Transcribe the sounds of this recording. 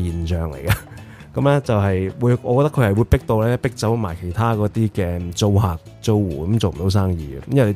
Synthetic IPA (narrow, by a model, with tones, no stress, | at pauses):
jiː˨˩nt͡ʃœː˨ŋlḛ˨˩jkɐ˧ | kɐ˨˥mlɛː˥t͡sɐ˨wɦɐ˨jwuː˨˧jɔː˧kɔ˧t̪ɐ˥kʰhɐ˨˩jwuː˨˧jpɪ˥k̚t̪o˧wlɛː˥pɪ˥k̚t͡sɐ˨˥wma̰ː˨˩jkʰe˨˩jt̪ʰaː˥kɔː˨˥t̪iː˥kɛː˧t͡so˧wɦaː˨k̚t͡so˧wwṵː˨˩kɐ˨˦mt͡so˨m̩˨˩o˨˧˥ws̬aː˥ŋjiː˨ɐ̰˧˦mjɐ˨˩le˨˧